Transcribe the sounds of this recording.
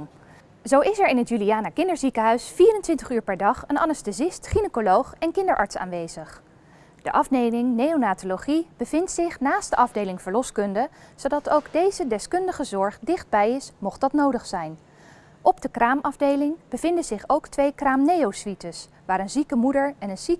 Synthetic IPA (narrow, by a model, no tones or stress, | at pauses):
zowɪsɛɹɪnɦətjyliaːnəkɪndəɹzikəɦœɥsfiːrəntʋɪntəχyːɹpɛɹdɑχənɑ̰nəstəzɪstχinəkolowχɛnkɪndəɹʔɑ̰ɹtsa̰ːnʋejzəχ | d̥əʔɑfnejmɪŋnejonaːtoloχib̥əvɪntsɪχnaːst̚d̥əʔɑvdejlɪŋvəɹlɔskɵndəz̥odɑtowɡdejzədɛskɵndəχəzɔɹχdɪχd̚bɛjɪsmɔχtdɑtnowdəχsɛjn | ʔɔbdəkraːmɑvdejlɪŋb̥əv̥ɪndəzɪχowktʋejkraːmnejowsʋitəs | ʋaːɾənzikəmudəɹɛnənsi